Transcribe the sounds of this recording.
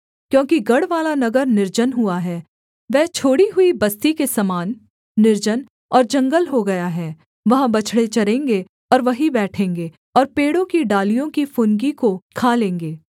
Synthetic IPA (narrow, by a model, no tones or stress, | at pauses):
kjõːkiɡɐɽʋaːlanɐɡəɾnɪɾd͡ʒənɦuaɦɛː | ʋɛːt͡ʃʰoːɽiɦʊibɐst̪ikesɐmaːnː | ɪɾd͡ʒən | ɔːɾd͡ʒɐ̃ŋɡəlɦoɡɐjaɦɛː | ʋɐɦãbɐt͡ʃʰɽet͡ʃɐɾẽːŋɡe | ɔːɾʋɐɦibɛːʈʰẽːŋɡeː | ɔːɾpeːɽõkiɖaːlijõkifʊnɡikokʰaːlẽːŋɡeː